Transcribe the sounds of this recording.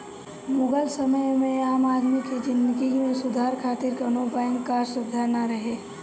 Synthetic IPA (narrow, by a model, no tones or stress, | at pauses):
moːɡəlsəməjmẽaːmaːd̪miked͡ʒɪnd̪kimẽsʊd̪ʱaːɾkʰaːt̪ɪɾkənobankaːɾsʊd̪ʱːanaɾəɦe